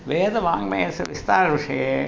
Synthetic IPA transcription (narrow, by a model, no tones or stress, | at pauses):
ʋeːðɐʋaːŋmejɐsɐʋɪst̪aːɾɐʋɪʂɐje